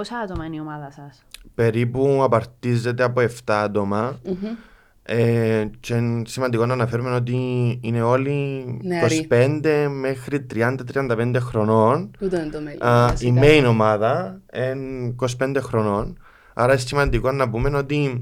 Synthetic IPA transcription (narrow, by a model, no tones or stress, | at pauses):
osɐɐt̪omɐiniomɐðɐsɐs | pe̞ɾipuɐpɐɾt̪izːe̞t̪e̞ɐpo̞e̞ft̪ɐɐt̪o̞mɐ | et͡ʃensimɐnd̪ikonːɐnɐfeɾume̞no̞t̪̬iine̞o̞likospend̪e̞me̞xɾit̪ɾiɐnd̪ɐt̪ɾiɐnd̪ɐpend̪e̞xɾo̞nonut̪ | simmejno̞mɐðɐenkospe̞nd̪exɾono̞n | ɐ̰ɾɐessimɐnd̪ikonːɐpume̞no̞t̪i